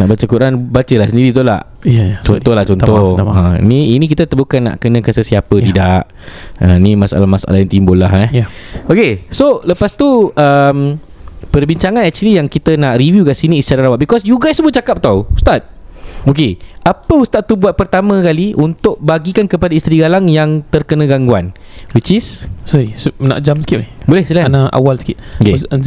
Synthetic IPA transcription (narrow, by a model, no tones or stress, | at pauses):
naʔbat͡ʃəkuɾanbat͡ʃəlahsəndiɾit̪̬ula̰h | t͡ʃɔnt̪ɔhlaht͡ʃɔnt̪ohə̃ḭniinĩk̬it̪ət̪əbukanːa̰ʔkənə̃kansəsiapət̪idaʔ | ənimasa̰lahmasa̰lahjãŋt̪imbolahɛokesoləpast̪uəm | pərbiɲt͡ʃaŋanɛk̚t͡ʃulijaŋkit̪ənaʔrivjukasiniːst͡ʃaɾalawat̪̚bikɔsjuɡajsəbʊt̪̚t͡ʃakap̚t̪awust̪at̪̚okeʔapəust̪at̪ːubuat̪̚pərt̪amãkaliʔunt̪ʊʔ̚baɡikankəpadaist̪ɾiɡalaŋjaŋt̪ərkənãɡaŋɡua̰nwit͡ʃissɔɾisna̰ʔd͡ʒamsə̥kiap̚nihbolɛhsəlaanaʔa̰walsə̥kit̪̚ke